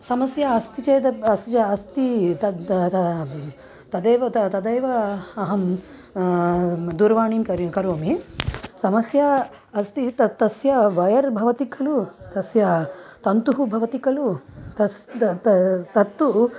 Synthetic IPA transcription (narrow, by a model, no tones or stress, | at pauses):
sɐmɐsjɐɐst̪it͡ʃeːd̪ɐɐst̪it͡ʃɐɐst̪iɐ | t̪ɐd̪ɐjʋɐt̪ɐt̪ɐd̪ɐjʋɐːɦɐm | d̪uɾʋaːɳiːnkɐɾkɐɾoːmisɐmɐsjɐː | st̪it̪ɐt̪ɐsjɐʋɐjɐɾbʱɐʋɐt̪ikʰɐlut̪ɐsjɐt̪ɐnt̪uɦubʱɐʋɐt̪ikɐlut̪ɐs | t̪ɐt̪ːu